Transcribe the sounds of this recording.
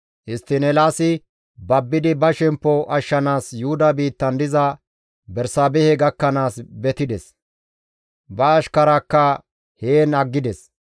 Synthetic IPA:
ʔɪst̪ːɪnɛlaːsɪ | bɐbːɪd̪ɪbɐʃɛmpːɔʔɐʃːɐnaːsjʊhʊd̪ɐbiːt̪ːɐnd̪ɪzɐ | bɛɾsaːbɛhɛɡɐkːɐnaːsbɛt̪ɪd̪ɛs | bɐːʃkɐɾɐkːɐ | heːnɐɡːɪd̪ɛs

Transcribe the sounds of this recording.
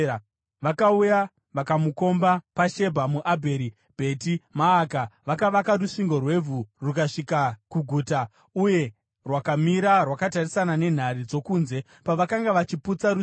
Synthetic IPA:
ʋakauja | ʋakamuko̞mbapaʃe̞bʱamuʔabʱe̞ɾi | bʱe̞timaːkaʋakaʋakaruʂiŋɡo̞rwe̞vʱurukaʂikakuɡʱuːta | uje̞ | rwakamiɾarwakatarisanane̞n̤arid͡zo̞kuːnze̞ | paʋakaŋɡaʋat͡ʃiput͡saɾu

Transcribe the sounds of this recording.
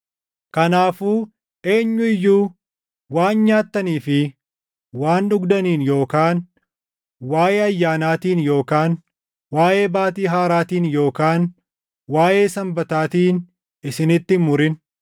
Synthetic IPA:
kɐnaːfuː | ʔe̞ːɲːʊɪjːuː | waːnɲaːt̪ːɐniːfɪ | waːnᶑʊɡd̪ɐniːnjo̞ːkaːn | waːjeːɐjːaːnaːt̪iːnjo̞ːkaːn | waːjʔe̞ːbaːt̪iːɦaːɾaːt̪iːnjo̞ːkaːn | waːje̞ːsɐmbɐt̪aːt̪iːn | ɪsɪnɪt̪ːɪmʊɾɪn

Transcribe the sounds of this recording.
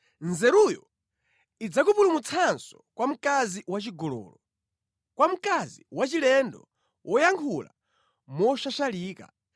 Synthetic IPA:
nzɛɾujɔ | id͡zak̬upulumut͡sʰansɔkwam̩kaziwat͡ʃiɡɔlɔ̰ːlɔ | kwam̩kaziwat͡ʃilɛndɔ | wʔɔjaŋkʰula̰ | mɔʃaʃaliːka̰

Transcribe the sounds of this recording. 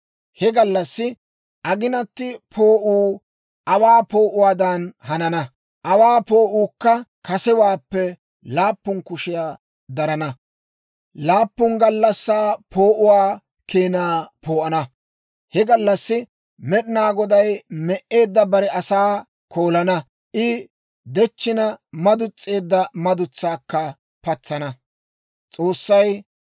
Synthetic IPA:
hɛɡɐlːɐsːɪ | ʔɐɡɪnɐt̪ːɪpʰoːʔuː | ʔɐwaːpo̞ːʔʊwaːd̪ɐnhɐnɐnɐ | ʔɐwaːpoːʔuːkːɐkɐsɛwaːpːɛ | laːpːʊnkʊʃɪjaː | d̪ɐɾɐnɐ | laːpːʊnɡɐlːɐsːaːpʰo̞ːʔʊwaː | keːnaːpo̞ːʔɐnɐ | hɛɡɐlːɐsːɪ | mɛɗɪnaːɡɔd̪ɐjmɛʔe̞ːd̪ːɐbɐɾɛʔɐsaː | koːlɐnɐ | ʔɪ | d̪ɛt͡ʃːɪnɐmɐd̪ʊt͡sʼːe̞ːd̪ːɐmɐd̪ʊt͡sːaːkːɐ | pɐt͡sːɐnɐ | t͡sʼo̞ːsːɐj

